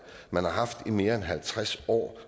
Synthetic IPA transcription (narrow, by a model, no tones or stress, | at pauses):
mænhɑ̈ɦɑ̈fd̥ime̝ːɐenɦælt͡sʰʁasɒ̰ː